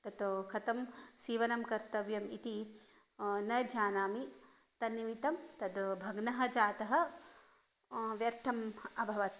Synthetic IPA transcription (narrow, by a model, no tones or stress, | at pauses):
t̪ɐt̪okʰɐt̪ɐmsiːʋɐnɐmkɐɾt̪ɐʋjɐmit̪i | nɐjd͡ʒʱaːnaːmi | t̪ɐniʋit̪ɐmt̪ɐd̪bʱɐɡnɐɦɐ̆d͡ʒaːt̪ɐɦɐ̆ | ʋjɐɾt̪ʰɐmɐbʱɐʋɐt̪̚